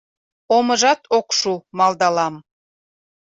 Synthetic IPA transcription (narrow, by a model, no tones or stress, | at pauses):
oməʒɑt̪ʰokʃumɑld̪ɑlɑm